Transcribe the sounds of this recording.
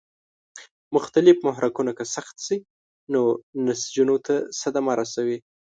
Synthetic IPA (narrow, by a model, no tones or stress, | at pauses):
mʊxt̪alɪfmʊɦɾakunakəsaxt̪si | nonasd͡ʒunot̪ʰasad̪amaɾasawi